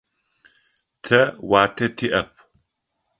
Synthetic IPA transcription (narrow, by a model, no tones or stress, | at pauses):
tʰɐwaːtʰɐtʰiʔɐp̚ʰ